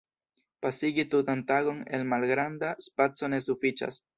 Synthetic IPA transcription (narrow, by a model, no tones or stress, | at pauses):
pasiɡit̪ut̪ant̪aɡo̞ne̞lmalɡɾand̪aspat͡so̞ne̞sufit͡ʃa̰s